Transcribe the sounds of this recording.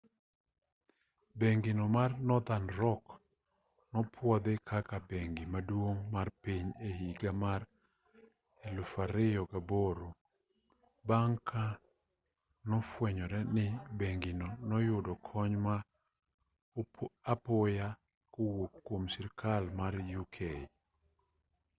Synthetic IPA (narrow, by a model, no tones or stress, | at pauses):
beŋɡinɔmarnɔd̪anɾɔk | nɔpʰwɔd̪ɪkʰakabeŋɡimadwoŋmarpiɲehiɡamaɾ | ɛlʊfaɾɪɔɡaboɾo | baŋkʰa | nɔfwɛɲɔɾɛnɪbeŋɡinɔnɔjʊdɔkʰɔɲma | apʊja | kowokːwomsɪɾkʰalmaɾjukʰe